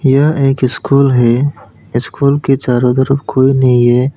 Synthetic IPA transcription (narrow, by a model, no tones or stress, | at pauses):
jɐɦeːkɪskuːlɦɛ | ɪskuːlket͡ʃaːɾõd̪əɾəbkʰoːinɐɦĩɦɛː